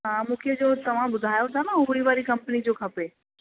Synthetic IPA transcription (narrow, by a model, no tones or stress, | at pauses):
ɦãːmũːkʰed͡ʑoːt̪ɐʋ̤ãbʊd̪ʱaːjot̪ʰanaũːɽiʋaːɾikɐ̃mpənid͡ʑoːkʰɐpe